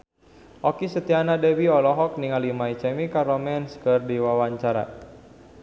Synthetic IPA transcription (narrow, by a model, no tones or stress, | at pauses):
ʔɔkisət̪ianadɛwiɔlɔɦɔk̚niŋalimait͡ʃɛmikaɾɔmɛnskərdiwawaɲt͡ʃaɾa̰